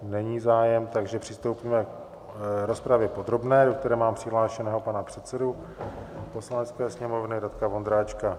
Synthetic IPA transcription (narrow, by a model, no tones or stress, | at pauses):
nɛɲiːzaːjɛmt̪aɡʒɛpr̥ɪst̪o̞wpiːmɛk | ɾo̞spɾavjɛpo̞d̪ɾo̞bnɛːdok̚t̪ɛɾɛːmaːmpr̥ɪɦlaːʃɛnɛːɦo̞panapr̝̥ɛt̪sɛdu | po̞slanɛt͡skɛːsɲɛmo̞vnɪdat̪kavo̞nd̪ɾaːt͡ʃka